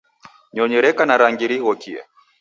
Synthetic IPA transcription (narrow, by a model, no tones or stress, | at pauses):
ɲɔɲɛɾɛkanaɾaŋɡiɾihɔkiɛ̰